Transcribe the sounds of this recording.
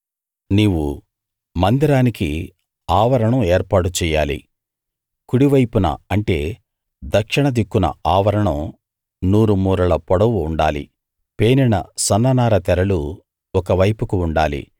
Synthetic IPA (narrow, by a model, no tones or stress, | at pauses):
niːʋu | mɐnd̪iɾaːniki | aːʋɐɾɐɳɐmeːɾpaːʈut͡ʃɛːjaːlḭ | kuɽiʋɐjpunɐ̰ɐɳʈe̞̰ː | d̪ɐkʂiɳɐd̪ikːunɐ̰aːʋɐɾɐɳɐm | nuːɾumuːɾɐlɐpɔɽɐʋuːɳɖaːlḭ | pe̞ːninɐ̰sɐnːɐnaːɾɐt̪ɛɾɐlu | ɔkɐʋɐjpukuːɳɖaːlḭ